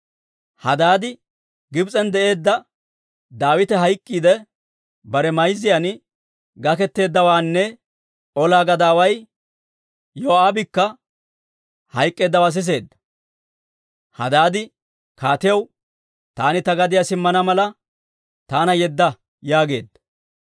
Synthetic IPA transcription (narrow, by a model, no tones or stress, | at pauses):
hɐd̪aːd̪ɪ | ɡɪbt͡sʼɛnd̪ɛʔe̞ːd̪ːɐ | d̪aːwɪt̪ɛɦɐjkʼːiːd̪ɛ | bɐɾɛmɐjzːɪjan | ɡɐkɛt̪ːe̞ːd̪ːɐwaːnːɛ | ɔlaːɡɐd̪aːwɐj | joːaːbɪkːɐ | hɐjkʼːe̞ːd̪ːɐwaːs̬ɪs̬e̞ːd̪ːɐ̥ | hɐ̰d̪aːd̪ɪ | kaːt̪ɪjɐw | t̪aːnɪt̪ɐɡɐd̪ɪjasɪmːɐnɐmɐlɐ | t̪aːnɐjɛd̪ːɐ | jaːɡe̞ːd̪ːɐ̥